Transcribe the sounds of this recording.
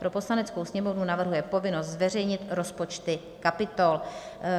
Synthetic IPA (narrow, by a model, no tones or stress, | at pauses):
pɾo̞po̞slanɛt͡skowsɲɛmo̞vnunavr̩ɦujɛpo̞vɪno̞st̪zvɛr̝ɛjɲɪt̪ɾo̞spo̞t͡ʃt̪ɪ | kapɪt̪o̞l